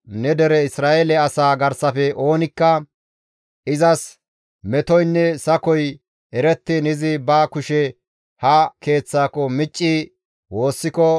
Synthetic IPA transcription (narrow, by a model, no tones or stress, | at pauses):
nɛd̪ɛɾɛɪsɾaːelɛɐsaːɡɐɾsɐfɛʔo̞ːnɪkːɐ | ɪzɐs | mɛt̪ɔjnːɛsɐkɔj | ɛɾɛt̪ːɪnɪzɪbakʊʃɛ | hɐke̞ːt͡sːaːkɔmɪt͡ʃʼːɪ | wo̞ːsːɪkɔ